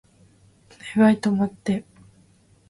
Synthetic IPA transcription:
neβait̪omot̪ːe

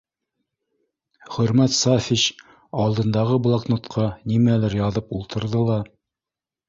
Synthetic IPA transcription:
χɵ̆ɾmæt̪sɑfʲiɕ | ɑlˠd̪ɤ̆nd̪ɑʁɤblˠɑknot̪qʰɑnimælæɾjɑðɤpulˠt̪ɤ̆ɾðɤlˠɑ

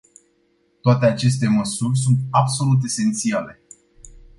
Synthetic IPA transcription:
t̪oat̪eat͡ʃe̞st̪e̞məsurʲs̬unt̪abso̞lut̪̬e̞se̞nt̪siale̞

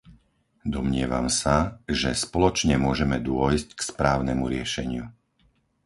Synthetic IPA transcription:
d̪ɔmɲɪɛʋa̰msaʒɛspɔlɔt͡ʃɲɛmʊɔʒɛmɛd̪ʊɔjsckspɾaːʊnɛmuɾɪɛʃɛɲɪu

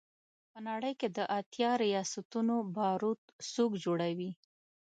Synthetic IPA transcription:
pənaɽəjked̪əʔat̪jɑɾijɑsat̪unobɑɾut̪sokd͡ʒoɽawi

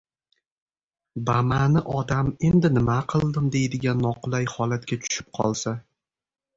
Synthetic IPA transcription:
bamanɪʔɒd̪ame̞nd̪ɪnɪmaqʰɨlˠd̪ɪmd̪e̞jd̪ɪɡʲanːɒqʰʊlˠajhɒlat̪kʲat͡ʃ̪ʰʊ̥ʃɪ̥p̚qʰɒ̰lˠsa

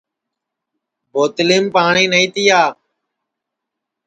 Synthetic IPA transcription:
boːt̪liːmpaːɳĩːnəĩːt̪iːaː

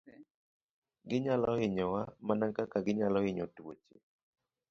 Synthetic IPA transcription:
ɡɪɲalɔɪɲɔwamanaŋkakaɡɪɲalɔɪɲɔto̰t͡ʃḭ

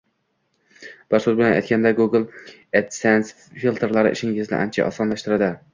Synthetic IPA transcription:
b̥ɪɾsʊzbɪlɛnɛ̰jt̪kʲʰand̪aɡuɡɨlˠ | et̪sɛns | filˠt̪ʰeɾlˠaɾɪ̰ʔɪ̰ʃɪŋɡʲɪznɪ̰ʔæ̰nt͡ʃʰɛ̰ʔɒ̰sɑnlˠɑʃt̪ɨɾad̪ɪ

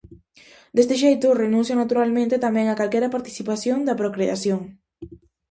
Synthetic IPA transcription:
d̪est̪eʃejt̪ʊrenũnsjanat̪uɾalmẽnt̪et̪amɛ̃ŋakalkeɾɐpaɾt̪i̥sipasjoŋd̪ɐpɾokɾeasjoŋ

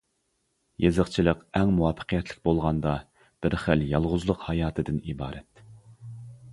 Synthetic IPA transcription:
jezəqt͡ʃʰilˠəqɛŋmuwɑpʰːə̥qʰijɛt̪lɪk̚ʲbolˠʁɑnd̪ɑ | b̥ɪɾχæljɑlˠʁʊzlˠʊqhɑjɑːt̪ʰɨd̪ɪnibɑːɾɛt̪̚

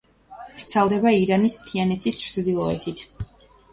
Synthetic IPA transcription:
ɾt̪sʰalˠd̪ɛbaiɾanismt̪ʰianɛt̪sʰist͡ʃʰd̪ilˠɔɛ̰t̪ʰit̪ʰ

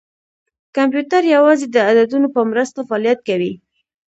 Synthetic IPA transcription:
kampjut̪aɾjawɑzed̪əad̪ad̪unopəmɾəst̪afaːlijat̪̚kawi

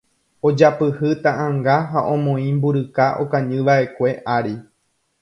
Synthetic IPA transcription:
od͡ʒapɨhɨt̪ãʔãŋɡaɦaʔõ̞mõĩmbuɾɨkaʔokãɲɨ̃ʋaʔe̞kʷe̞ʔaɾi

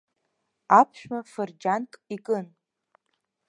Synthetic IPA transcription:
apʰʃᶣmafɨrd͡ʒankʼikʼɨn

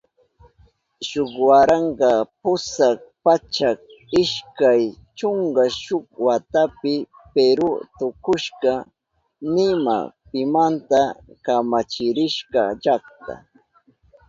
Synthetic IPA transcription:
ʃokwaɾɑɴɢɑpʊsɑk̚pat͡ʃak̚ɪʃkaj | t͡ʃoŋɢaʃʊk̚wat̪apɪ | peɾʊt̪ʊkʊʃɢɑ | nɪma̰pɪmant̪akamat͡ʃɪɾɪʃɢɑ̰ʎakt̪a̰

